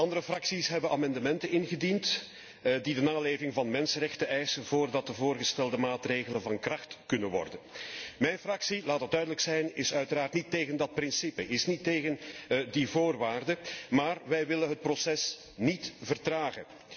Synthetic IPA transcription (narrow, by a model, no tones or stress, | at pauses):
ɑndəɾəfrɑksisɦɛbənaːmɑndəmɛntənɪnɣədint | didənaːleːvɪŋvɑnmɛnsənrɛxtəʔɛjsənvoːrdɑt̚dəvoːrɣəstɛlˠdəmaːtreːɣələnvɑnkrɑxtkɵnənʋɔ̰rdənmɛjnfrɑksilaːtəd̚dœɥdələksɛjnɪsœɥtəɾaːrtniteːɣəndɑt̚pɾɪnsipəʔɪsniteːɣəndivoːrʋaːrdəmaːrʋɛjʋɪlənɦət̚prosɛs | nitvərtraːɣə̰n